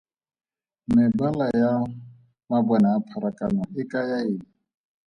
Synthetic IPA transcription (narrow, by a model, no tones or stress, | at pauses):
mɪbalaja | mabɔnaːpʰaɾakʼanaɪkʼajaɪːŋ̩